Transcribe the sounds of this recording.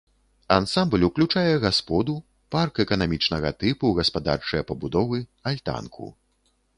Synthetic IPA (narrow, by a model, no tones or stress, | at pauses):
ansamblʲuklʲut͡ʂajɛɣaspɔd̪u | parkɛkɐnamʲit͡ʂnɐɣɐ̰t̪ɨpuɣɐspad̪a̰rt͡ʂɐjɐpɐbud̪ɔvɨalʲt̪a̰nkʰṵ